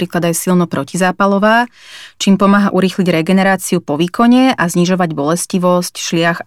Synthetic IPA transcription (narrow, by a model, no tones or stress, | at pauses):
ɾiːklad̪ajsilnɔpɾɔcizaːpalɔʋaːt͡ʃiːmpɔmaːɦaʔuɾixliɟɾɛɡɛnɛɾaːt͡siupɔʋiːkʰɔɲɛʔazɲiʒɔʋaɟbɔlɛsciʋɔscʃlɪax